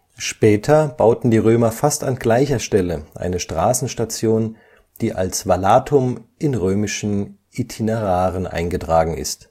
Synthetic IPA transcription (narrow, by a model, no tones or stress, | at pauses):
ʃpɛːtʰɐb̥aʊtn̩diːʁøːmɐfasta̰nɡlaɪçɐʃtɛləʔa̰ɪnəʃtʁ̥aːsn̩ʃtat͡sjoːn | d̥iːʔa̰lsvalaːtʰʊmʔɪnʁøːmɪʃn̩ʔitʰineʁaːʁənʔa̰ɪnɡətʁ̥aːɡŋ̩ɪ̰st